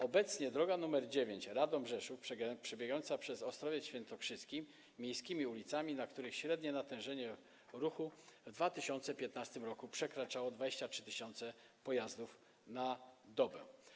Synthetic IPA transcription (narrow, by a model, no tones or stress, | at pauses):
ɔbɛt̪sɲɛd̪ɾɔɡanumɛɾd͡ʑevʲjeɲt͡ɕɾad̪ɔmbʐɛʂufpʂɛɡpʂɛbʲjɛɡaɔnt̪sapʂɛzɔst̪ɾɔvʲjɛɕfʲjɛnt̪ɔkʂɘskʲi | mʲjejskʲimʲiulʲit̪samʲinakt̪uɾɘxɕɾɛd̪ɲɛnat̪ɛ̃w̃ʐɛɲɛ | ɾuxuvd̪vat̪ɘɕɔnt̪sɛpʲjɛt̪̚nast̪ɘmɾɔkupʂɛkɾat͡ʂawɔd̪vad͡ʑeɕt͡ɕatʂɘt̪ɘɕɔnt̪sɛ | pɔjazd̪uf | nad̪ɔbɛ̰